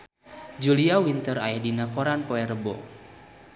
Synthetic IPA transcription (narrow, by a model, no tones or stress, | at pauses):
d͡ʒuliawint̪əɾajadinakoɾanpoɛrəbɔ̰